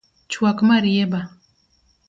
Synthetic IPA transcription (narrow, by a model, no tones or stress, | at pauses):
t͡ʃuwakmaɾijeba